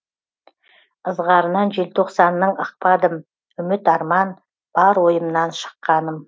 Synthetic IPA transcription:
əzʁɑɾənɑnʒelt̪ʰo̞qsɑnːəɴəq̚pɑd̪əm | ʏmɪt̪ɑɾmɑn | b̥ɑɾwo̞jəmnɑnʃə̥qːɑnəm

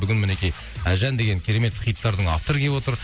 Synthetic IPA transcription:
bʏɡʲɪnmɪne̞kʲij | æʒænd̪e̞ɡʲe̞ŋkʲʰeɾe̞me̞t̪qʰijət̪ːɑɾd̪əɴɑ̰ft̪oɾəkʲe̞pwo̞t̪əɾ

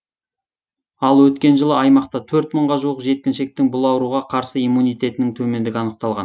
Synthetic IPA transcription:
ɑlˠwɵt̪kʲe̞nʒəlˠəɑjmɑqt̪ɑt̪ʰɵɾt̪məɴʁɑʒuwəqʒe̞t̪̚kʲɪnʃe̞k̚t̪ɪŋbʊlˠɑwɾuʁɑqʰɑɾsəijmːunijt̪e̞t̪ɪnɪŋt̪ʰɵme̞nd̪ɪɡʲɪɑnəq̚t̪ɑlˠʁɑ̰n

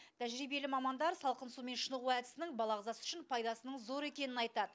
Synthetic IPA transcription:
t̪ʰæʒɾijbe̞lɪmɑmɑnd̪ɑɾsɑlˠqənsume̞nʃənəʁuæd̪ɪ̥sɪnɪŋbɑlˠɑʁəzɑsʏ̥ʃɪnpʰɑjd̪ɑsənəɴzo̞ɾe̞kʲe̞nɪnɑjt̪ɑd̪ə

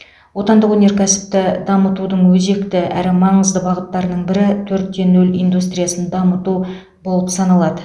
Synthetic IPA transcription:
wo̞t̪ɑnd̪əqwɵne̞ɾkʲʰæsɪ̥p̚t̪ɪd̪ɑmət̪ud̪əɴwɵze̞kt̪ɪæ̰ɾɪmɑɴəzd̪əbɑʁət̪ːɑɾnəɴbɪɾɪt̪ʰɵɾt̪̚ːe̞nɵlijnd̪ust̪rijasənd̪ɑmət̪u | bo̞lˠəpsɑnɑlˠɑd̪ə

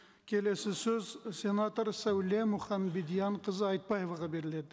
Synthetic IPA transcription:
kʲʰe̞le̞sɪsɵzsʲe̞nat̪oɾsæwlemʊχɑmbid̪ijɑɴqʰəzəɑjt̪̚bɑje̞vɑʁɑbe̞ɾɪle̞d̪ɪ

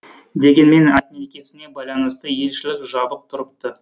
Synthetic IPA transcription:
d̪e̞ɡʲe̞nme̞nat̪nekʲe̞sɪne̞bɑjlˠɑnəst̪əje̞lʃɪlɪkʒɑbəq̚t̪ʰʊɾəp̚t̪ə

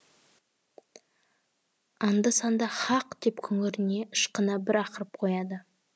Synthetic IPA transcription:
ɑnd̪əsɑnd̪ɑχɑqd̪̥e̞pkʲʰʏŋɪɾɪne̞ʔɪʃqənɑbɪɾɑqəɾəp̚qʰo̞jɑd̪ə

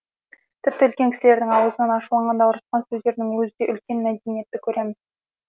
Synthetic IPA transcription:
t̪ʰɪp̚t̪ɪʏlkʲe̞ŋkʰʲɪ̥sɪle̞ɾd̪ɪŋɑwəzənənɑʃulˠɑɴʁɑnd̪ɑwʊɾəsqɑnsɵzd̪e̞ɾd̪ɪŋwɵzɪd̪e̞ʔʏlkʲe̞nmæd̪enije̞t̪ːɪkʲʰɵɾe̞mɪz

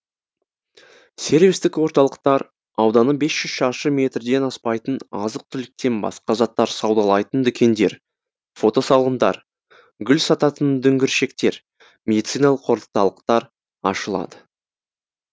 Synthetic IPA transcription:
se̞ɾvʲijst̪ɪkwo̞ɾt̪ɑlˠəq̚t̪ɑɾ | ɑwd̪ɑnəbe̞sʒ̥ʏz̥ʃɑʃəmʲe̞t̪rd̪e̞nɑspɑjt̪ənɑzəq̚t̪ʰʏlɪk̚t̪e̞nbɑ̰sqɑʒɑt̪ːɑɾsɑwd̪ɑlˠɑjt̪ənd̪ʏkʲʰe̞nd̪e̞ɾ | fo̞t̪o̞sɑlˠʁənd̪ɑ̰ɾ | ɡʲʏlsɑt̪ɑt̪ənd̪ʏŋɡʲɪɾʃe̞kt̪e̞ɾ | mʲe̞d̪it̪sijnɑlˠəqʰːo̞ɾlˠə̥qt̪ɑlˠəqt̪ɑɾ | ɑ̰ʃəlˠɑ̰d̪ə

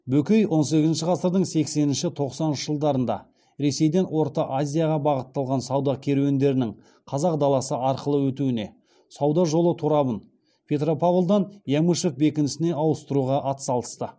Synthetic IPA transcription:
bɵkʲejwʔo̞ns̬e̞kʲɪzɪnʃɪʁɑsəɾd̪əɴse̞kse̞nɪnʃɪt̪ʰo̞qsɑnənʃə̥ʒəlˠd̪ɑɾənd̪ɑ̰ | ɾe̞se̞jd̪e̞nwo̞ɾt̪ɑʔazʲijaʁɑbɑʁət̪ːɑlˠʁɑnsɑwd̪ɑkʲʰe̞ɾewend̪e̞ɾɪnɪŋ | qʰɑzɑq̚d̪ɑlˠɑsəʔɑɾqəlˠəwɵt̪uɪne̞̰ | sɑwd̪ɑʒo̞lˠət̪ʰuɾɑbən | pʲʰe̞t̪ɾo̞pavlˠd̪ɑnjamuʃefbe̞kʲɪnɪsɪne̞ɑwəst̪əɾuʁɑʔɑt̪ə̥sɑlˠə̥st̪ə

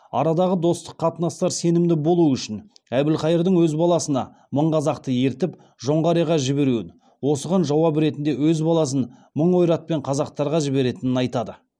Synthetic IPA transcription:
ɑ̰ɾɑd̪ɑʁəd̪o̞st̪ə̥qʰːɑt̪ənɑst̪ɑɾse̞nɪmd̪ɪbo̞lˠuʏʃɪn | æbɪlqɑjəɾd̪əɴwɵzbɑlˠɑsənɑ | məɴqɑzɑqt̪əje̞ɾt̪ɪp | ʒo̞ɴʁɑɾijʁɑʒɪbe̞ɾuɪn | wo̞səʁɑnʒɑwɑbɾe̞t̪ɪnd̪ewɵzbɑlˠɑs̬ənməɴo̞jɾɑt̪̚pe̞ɴqʰɑzɑq̚t̪ɑɾʁɑʒɪbe̞ɾe̞t̪ɪnɪnɑjt̪ɑd̪ə

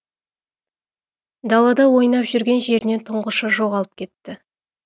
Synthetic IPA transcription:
d̪ɑlˠɑd̪ɑwo̞jnɑpʒʏɾɡʲe̞nʒe̞ɾɪne̞nt̪ʰʊɴʁəʃəʒo̞ʁɑlˠəp̚kʲʰe̞t̪ːɪ

